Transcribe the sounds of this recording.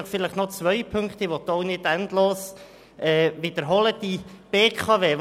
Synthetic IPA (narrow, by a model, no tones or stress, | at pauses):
əχfɪlɪχnɔt͡sʋœjpʰʏŋkt̪ɪʋɔt̪ːʊnɪdæntloːs | ɛːʋɪd̥̪əɾɦɔləd̥ib̥eːkʰɑveː